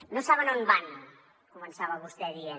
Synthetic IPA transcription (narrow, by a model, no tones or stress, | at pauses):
nosaβənonban | kumənsaβɐβust̪ɛðie